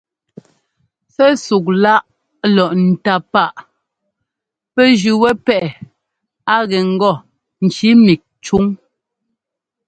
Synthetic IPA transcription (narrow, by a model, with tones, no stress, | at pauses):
sɛ˦su˨k̚la˦ʔ | lɔ˨ʔn̩˨ta˦pa˦ʔ | pɛ˦d͡ʒʉ˨wɛ˦pɛ˦ʔɛ˨ | a˦ɣɛ˨ŋ̩˦ɡɔ˦˨ | n̩˨t͡ʃi˨˦mi˨k̚t͡ʃu˦ŋ